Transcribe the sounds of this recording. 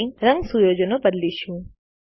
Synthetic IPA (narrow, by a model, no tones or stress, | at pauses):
ĩɾəŋɡsujod͡ʒənobəd̪liʃũ